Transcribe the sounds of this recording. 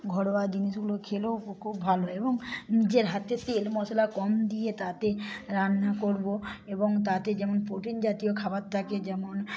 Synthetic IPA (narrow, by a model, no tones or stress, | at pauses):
ɡʱɔɽbad͡ʑiniʃɡulokʰelokʰubbʱaloeboŋnid͡ʑeɾɦat̪eselmɔsolakɔmd̪ijet̪at̪eɾanːakoɾboeboŋt̪at̪ed͡ʑɛmonpɾoʈind͡ʑat̪iokʰabat̪ʰːaked͡ʑɛmon